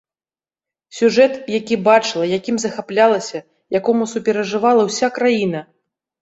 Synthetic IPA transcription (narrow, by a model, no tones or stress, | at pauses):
sʲuʐɛt̪jakʲibat͡ʂɨlˠɐjakʲimzɐxaplʲalˠɐsʲɐ | jakɔmusupʲɛɾɐʐɨvalˠɐwsʲakɾajinɐ